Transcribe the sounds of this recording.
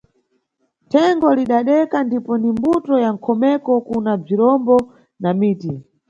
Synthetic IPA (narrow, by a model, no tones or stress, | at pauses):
tʰɛŋɡɔliɗaɗɛkandipɔnimbutɔjaŋ̩kʰɔmɛkɔkunab͡ʐiɾɔmbɔ | namiːti